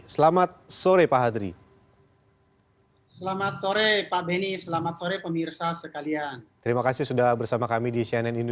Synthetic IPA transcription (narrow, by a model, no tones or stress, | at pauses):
səlamat̪̚soɾepaɦad̪ɾḭ | səlamat̪̚soɾepabenisəlamat̪̚soɾepəmirsasəkaliant̪əɾimakasihsudahbərsamakamidisiɛnɛnind